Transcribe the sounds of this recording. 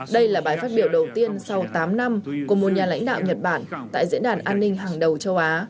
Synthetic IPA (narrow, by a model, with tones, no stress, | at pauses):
ɗə˧jlaː˨˩ɓaː˨˩jfaː˦˥t̚ɓi˧˩əwɗə˨˩wt̪i˧ənsa˧wt̪aː˨˦mna˧mku˧˩əmo˨˩t̚ɲaː˨˩la̰˧˥jŋ̟ɗa̰ː˧˨wɲə˨˩t̚ɓaː˧˩nt̪a̰ː˧˨jzḭ˧˥ənɗaː˨˩nʔaː˧nːï˧ŋ̟ɦaː˨˩ŋɗə˨˩wt͡ɕə˧wʔaː˨˦